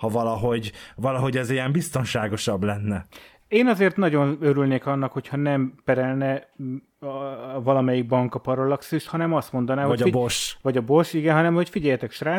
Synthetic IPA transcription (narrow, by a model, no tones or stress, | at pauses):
hɒvɒlɒɦo̞ɟvɒlɒɦo̞ɟɛzijɛmbist̪o̞nʃaːɡo̞ʃɒblɛnːɛ | eːnɒzeːrt̪nɒɟo̞nøɾylneːkɒnːɒkho̞chɒnɛmpɛɾɛlnɛ | vɒlɒmɛjiɡ̚bɒŋkɒpɒɾolɒksiʃt̪hɒnɛmɒst̪mo̞nd̪ɒnaːoɒboʃvɒɟɒbo̞ʃiɡɛnɦɒnɛmho̞cfiɟɛjɛt̪ɛkʃraː